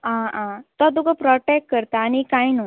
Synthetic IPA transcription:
ããt̪ɔd̪uɡəpɾɔʈɛʈ̚kəɾt̪aːñikainu

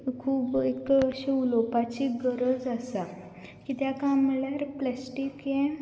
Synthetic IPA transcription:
kʰuːbekːɕiulopat͡ɕiɡəɾəd͡zasa | kit̪jakamːəɭjaɾplɛsʈikjẽ

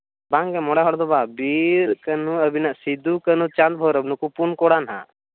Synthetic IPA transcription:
bãŋɡɛmɔɽaɦɔɽd̪ɔbabiɾkənuəbinaʔsid̪ukənut͡ʃãnd̪̚bʱɔwɾəbnukupunkoɽanɦa̰

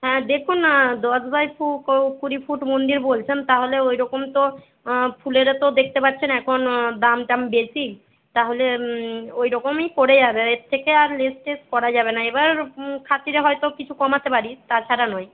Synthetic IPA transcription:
ɦɛ̃d̪ekʰunːad̪ɔsbajfuowkuɾifʰuʈmond̪iɾbolt͡ɕʰent̪aɦoleojɾɔkomt̪o | fʰuleɾat̪od̪ek̚ʰt̪epaɾt͡ɕʰenɛkʰond̪amʈambesik | t̪aɦole | ojɾɔkomejpoɽed͡ʑabeet̪ʰːekeaɾlesʈeskɔɾad͡ʑabenaebaɾkʰat̪iɾeɦɔjt̪okit͡ɕʰukɔmat̪epaɾit̪at͡ɕʰaɾanɔj

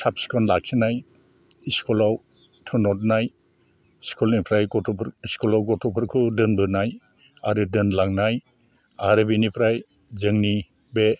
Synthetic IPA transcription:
sap̚si̥kʰɔnlak̚sʰinaj | iskʰɔlaw | tʰɯnɔt̚naj | skʰulipʰɾajɔtʰɔɾiskulawɡɔtʰɔpʰɯɾkʰɯdɯnbɯɾnaj | aɾɯdɯnlaŋnaj | aɾɯbenipʰɾaj | zɯŋni | be

